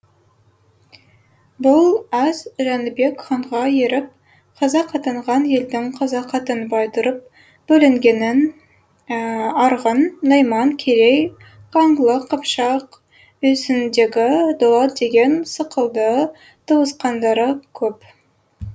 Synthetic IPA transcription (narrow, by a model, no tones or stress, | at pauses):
bʊlˠæzʒɑnbe̞kχɑɴʁɑjeɾɪp̚ | qʰɑzɑqʰɑt̪əɴʁɑnje̞ld̪ɪŋqʰɑzɑqʰɑt̪ənbɑjt̪ʰʊɾəp̚ | b̥ɵlɪŋɡʲe̞nɪn | ɑɾʁənːɑjmɑŋkʲʰeɾej | qʰɑɴlˠəqʰːəpʃɑq | ɵsɪnd̪e̞ɡʲɪd̪olˠɑt̪̚d̪e̞ɡʲe̞nsəqəlˠd̪ə | t̪ʰəwəsqɑnd̪ɑɾəkʲʰɵp